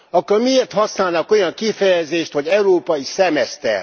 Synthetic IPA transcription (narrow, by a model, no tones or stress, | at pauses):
ɒkːormieːrt̪hɒsnaːlnɒko̞jɒŋkifɛjɛzeːʃt̪ho̞ɟɛuɾoːpɒjisɛmɛst̪ɛ̰r